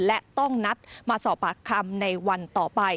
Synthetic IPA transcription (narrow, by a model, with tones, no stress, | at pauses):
lɛ˦˥ʔt̪ɔ˥˩ŋna˦˥t̪̚maː˧sɔː˨˩p̚ːaː˨˩kʰːa˧mna˧jwa˧nt̪ɔː˨˩pa˧j